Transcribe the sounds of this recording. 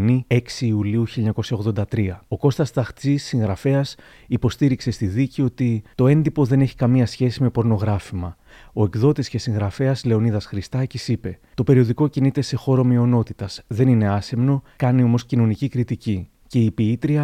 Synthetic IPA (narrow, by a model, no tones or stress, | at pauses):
nie̞ksiːuliuçiliɲɐko̞sçɐo̞ɣðo̞nd̪ɐt̪ɾiɐo̞ko̞st̪ɐst̪ɐxt͡sisːiŋɣɾɐfe̞ɐs | ipo̞st̪iɾikse̞st̪iðicio̞t̪it̪o̞e̞nd̪ipo̞ðe̞ne̞çi̥kɐmiɐsçe̞sime̞po̞ɾno̞ɣɾɐfimɐ | o̞e̞kðo̞t̪iscesĩŋɣɾɐfe̞ɐzle̞o̞niðɐsxɾist̪ɐcisipe̞t̪o̞pe̞ɾio̞ðiko̞cinit̪e̞se̞xo̞ɾo̞mio̞no̞t̪it̪ɐsðe̞nine̞ɐse̞mno̞kɐnio̞mo̞scino̞nicikɾit̪ici | ce̞ipiit̪ɾiɐ